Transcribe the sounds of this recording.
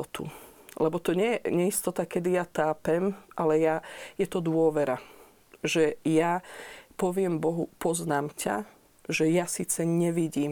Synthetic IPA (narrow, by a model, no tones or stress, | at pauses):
ɔt̪ṵ | lɛbɔt̪ɔɲɛjɛɲɛist̪ɔt̪akɛd̪ijat̪aːpɛmʔalɛjajɛt̪ɔd̪ʊɔʋɛɾa | ʒɛjapɔʋɪɛmbɔɦupɔznaːmca̰ | ʒɛjasiːt͡sɛɲɛʋiɟiːm